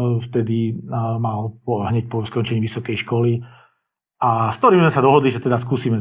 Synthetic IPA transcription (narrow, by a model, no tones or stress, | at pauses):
ft̪ɛd̪imalpɔɦɲɛc̚pɔskɔnt͡ʃɛɲiːʋisɔkɛjʃkɔli | askt̪ɔɾiːmzmɛsad̪ɔɦɔd̪liʒɛt̪ɛd̪askuːsiːmɛ